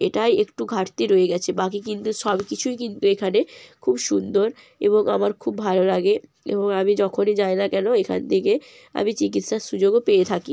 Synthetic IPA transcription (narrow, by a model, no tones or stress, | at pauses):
eʈajekʈuɡʱaʈt̪iɾoeɡɛt͡ɕʰebakikint̪uʃɔbkit͡ɕʰujkint̪uekʰanekʰubʃund̪oɾ | ḛβoŋa̰maɾkʰubːʱalolaɡe | ḛboŋamid͡ʑɔkʰonid͡ʑaenakɛnoekʰa̰nt̪ʰeke | a̰mit͡ɕik̬it̪ʃaʃud͡ʑoɡopeet̪ʰaki